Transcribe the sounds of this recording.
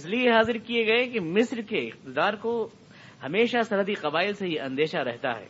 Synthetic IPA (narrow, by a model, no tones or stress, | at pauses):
slijeɦaːzɪɾkieɡɐekemɪsɾkeɪqt̪ɪd̪aːɾko | hɐmeːʃasɐɾɦəd̪iqɐbaːɪlseɦiʔɐ̃nd̪eːʃaɾɛɦt̪a̰ɦɛ̰ː